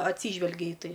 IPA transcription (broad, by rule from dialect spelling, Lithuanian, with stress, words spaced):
ɐtʲˈsʲiːʒʲʋʲɛlʲɡʲɛ iː ˈtɐɪ